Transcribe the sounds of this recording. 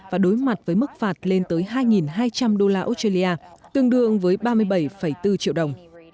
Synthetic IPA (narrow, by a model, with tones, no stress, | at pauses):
vaː˨˩ɗo˨˦jma˨˩t̚vəː˨˦jmɨ˦˥k̚faː˨˩t̚le˧nt̪əː˨˦jɦaː˧jŋi˨˩nɦaː˧jt͡ɕa˧mɗo˧laː˧ʔo˧˦˥t̚aː˧li˧aː˧t̪ɨ˧əŋɗɨ˧˩˨əŋvəː˨˦jɓaː˧mɨ˧əjɓə˧˩jfə˧˩jt̪ɨ˧t͡ɕḭ˧˨əwɗə˨˩wŋ͡m